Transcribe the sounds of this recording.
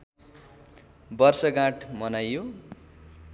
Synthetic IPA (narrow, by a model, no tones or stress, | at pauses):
bʌrsʌɡãʈʰmʌnajːo